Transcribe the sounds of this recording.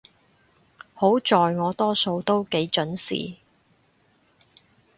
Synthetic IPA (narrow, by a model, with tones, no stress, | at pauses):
ho˨˥wt͡ʃɔː˨jŋɔː˨˧t̪ɔː˥so˧wt̪o˥wke˨˥jt͡ʃɵ˨˥nsḭː˨